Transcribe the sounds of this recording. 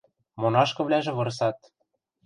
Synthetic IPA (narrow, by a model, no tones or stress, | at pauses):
monɑʃkɤ̆βlʲæʒĕβɤ̆ɾs̬ɑt̪̚